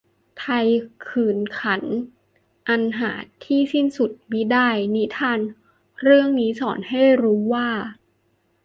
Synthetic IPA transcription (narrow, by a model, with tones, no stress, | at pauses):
t̪ʰa˧jkʰɯː˨˩nkʰa˩˦˥n | ʔa˧nɦaː˩˦t̪ʰiː˥˩si˥˩nsu˨˩t̪̚miː˦˥daː˥˩jni˦˥t̪ʰaː˧n | ɾɯ˥˩əŋniː˦˥sɔː˩˦nha˥˩jɾuː˦˥waː˥˩